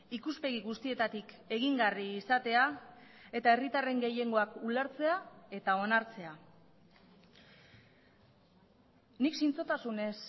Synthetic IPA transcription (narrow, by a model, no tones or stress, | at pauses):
ikuspe̞ɣiɣust̪ie̞t̪at̪ik | e̞ɣiŋɡariːsat̪e̞a | e̞t̪ae̞rit̪are̞ŋɡe̞je̞ŋɡo̞akuleɾt͡se̞ae̞t̪ao̞naɾt͡se̞a | niksint͡sot̪asune̞s